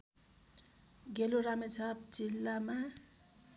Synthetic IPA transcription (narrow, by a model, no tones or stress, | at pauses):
ɡeloɾamet͡sʰʌp̚d͡zilːama